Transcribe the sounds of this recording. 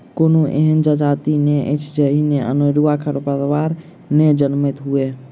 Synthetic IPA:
konoʔḛɦənd͡ʒəd͡ʒat̪ineʔɛ̰t͡ʃʰd͡ʒəɦineʔə̰noɾuakʰəɾpəɾʋaɾ | ned͡ʒənmɛt̪ɦue

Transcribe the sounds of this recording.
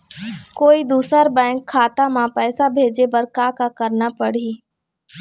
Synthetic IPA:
koːid̪uːsəɾbɛ̃ːŋkʰːaːt̪amãpɛːsabʱeːd͡ʒepɐɾkaːkakɐɾnapɐɽ̤i

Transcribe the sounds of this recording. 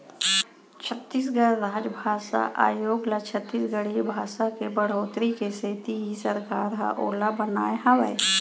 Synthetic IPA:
t͡ʃʰət̪ːiːs̬ɡəɽɾaːd͡ʒbʱaːʃa̰ʔa̰ːjoːɡlat͡ʃʰət̪ːiːsɡəɽ̤ibʱaːʃakebəɽ̤oːt̪ɾikeset̪iɦisəɾkaːɾɦa̰ʔoːlabənaːeɦãʋə̰j

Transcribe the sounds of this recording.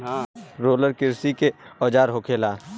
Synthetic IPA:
ɾoːləɾkɪɾsikeɔːd͡ʒaːɾɦokʰeːlaː

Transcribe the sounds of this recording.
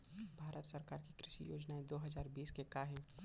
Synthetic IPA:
bʱaːɾʔət̪səɾkaːɾkikɾɪʃḭjo̰ːd͡ʒnaẽd̪oːɦəzaːɾbiːskekaɦɛ̃

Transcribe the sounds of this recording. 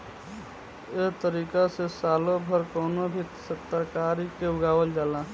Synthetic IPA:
eɦt̪əɾiːkasesaːlobʱəɾkɔːnobʱit̪sət̪ːəɾkaːɾikeʊɡaːʋəld͡ʒaːlaː

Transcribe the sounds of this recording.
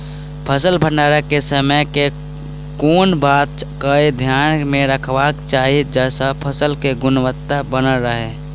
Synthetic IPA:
pʰəsəlbʱə̃ɳɖaːɾəkesəməjke | koːnbaːt̪̚kəid̪ʱjaːnmẽɾəkʰʋakt͡ʃaːɦid͡ʒɛːsapʰəsəlkeɡʊnwət̪ːabənəɾəɦeː

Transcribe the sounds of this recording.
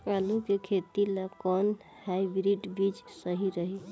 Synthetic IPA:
alukekʰet̪ilakɔn | haibɾiʈbid͡ʒsəɦiɾəɦi

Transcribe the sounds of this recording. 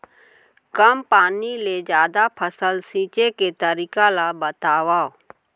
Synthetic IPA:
kəmpaːniled͡ʒjaːd̪apʰəsəlsiːt͡ʃeket̪əɾiːkalabət̪aːʋaːo

